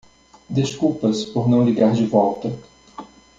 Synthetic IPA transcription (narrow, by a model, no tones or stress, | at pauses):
d̪eʃkupɐspoɾnɐ̃w̃liɡaɾd͡ʒɪvɔwt̪ɐ